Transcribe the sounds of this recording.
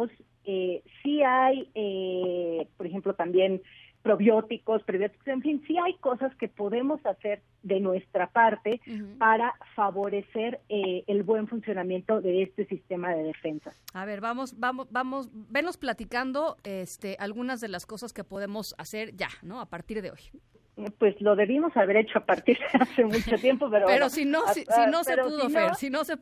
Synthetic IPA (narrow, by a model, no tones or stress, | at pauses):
s | esiaje | po̞ɾexe̞mplo̞t̪ambje̞n | pɾo̞βjo̞t̪iko̞spɾoβjo̞t̪ikoseɱfinsiajko̞saske̞po̞ðe̞mo̞sase̞ɾ | ðe̞nwe̞st̪ɾapaɾt̪e̞paɾafaβo̞ɾe̞se̞ɾeelβwe̞ɱfunsjo̞nãmje̞nt̪o̞ðe̞est̪e̞sist̪e̞mað̞e̞ð̞e̞fe̞nsaaβe̞ɾβamo̞sbamobamo̞sbe̞nlo̞splat̪ikand̪o̞est̪eʔalɣunazðe̞laskosaske̞po̞ð̞e̞mo̞sa̰se̞ɾʝa̰no̞apaɾt̪iɾðe̞oj | pwe̞slo̞ðe̞βimo̞saβe̞ɾet͡ʃo̞apaɾt̪iɾðeasemut͡ʃot̪je̞mpopeɾopeɾosinosisino̞seuðoseɾsinose